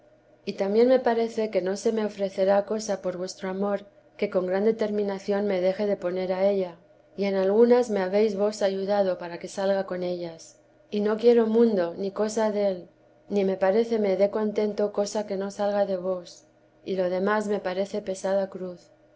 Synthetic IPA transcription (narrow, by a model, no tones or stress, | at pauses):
it̪amje̞nme̞paɾe̞θe̞ke̞no̞se̞me̞o̞fɾe̞θe̞ɾako̞sapo̞ɾβwe̞st̪ɾoamo̞ɾ | ke̞ko̞ŋɡɾand̪e̞t̪e̞ɾmĩnaθjo̞nme̞ð̞e̞xe̞ðe̞po̞ne̞ɾae̞ʎa | ie̞nalɣunazme̞aβe̞jzβo̞saʝuðaðo̞paɾake̞salɣako̞ne̞ʎas | ino̞kjeɾo̞mũnd̪o̞niko̞saðe̞l | nime̞paɾe̞θe̞me̞ðe̞ko̞nt̪e̞nt̪o̞ko̞sake̞no̞salɣaðe̞βo̞s | ilo̞ð̞e̞mazme̞paɾe̞θe̞pe̞sað̞akɾuθ